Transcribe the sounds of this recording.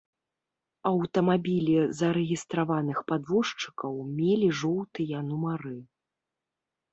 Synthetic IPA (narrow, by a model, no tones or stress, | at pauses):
ɐwt̪ɐmabʲilʲizɐɾɛɣʲist̪ɾavanɨxpad̪vɔʂt͡ʂɨ̥kɐwmʲelʲiʐɔwt̪ɨjɐnumaɾɨ